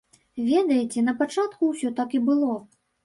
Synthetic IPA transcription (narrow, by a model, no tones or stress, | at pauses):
vʲɛd̪ɐjɛt͡sʲɛnɐpat͡ʂat̪kuwsʲɔt̪akibɨlˠɔ